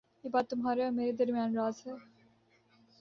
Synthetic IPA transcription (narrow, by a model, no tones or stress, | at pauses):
jeːbaːt̪̚t̪ːʊmɦaːɾeɔɾmeːɾed̪ɐɾmijaːnɾaːzɦɛː